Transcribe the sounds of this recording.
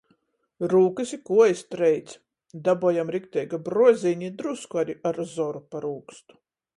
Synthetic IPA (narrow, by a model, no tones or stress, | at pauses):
ɾuːkɨsʲikuɔjst̪ɾɛjt̪sʲ | d̪abuɔjamɾikt̪ʲɛjɡabɾuɔzʲiɲid̪ɾuskuaɾiʔaɾzɔɾupaɾuːkst̪u̥